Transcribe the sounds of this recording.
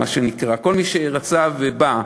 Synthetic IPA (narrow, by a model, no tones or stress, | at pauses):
aʃenikʁako̞lmiʃeʁat͡saveba